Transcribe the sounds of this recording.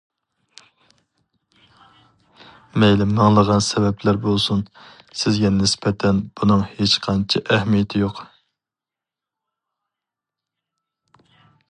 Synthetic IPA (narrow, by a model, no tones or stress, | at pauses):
mɛjlɪmːɑŋlˠəʁɑnsɛbɛplæɾbolˠsun | sɪzɡʲɛnɪspʰɛt̪ʰɛnb̥unɨŋhet͡ʃqʰɑnt͡ʃʰɪʔɛhmijɛt̪ʰɪjoq